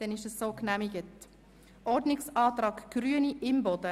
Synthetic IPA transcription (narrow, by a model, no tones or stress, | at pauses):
d̥ɛnɪʃəsːoːknæmɪɡət | ʔɔɾdnɪksɑːt̪ɾɑːkɡ̥ɾyəniʔɪmbɔd̥ə